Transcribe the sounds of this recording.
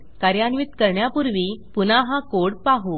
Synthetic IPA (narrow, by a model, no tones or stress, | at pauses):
kaɾjanʋit̪kəɾɳjapuɾʋipunaɦãkoɽpaɦu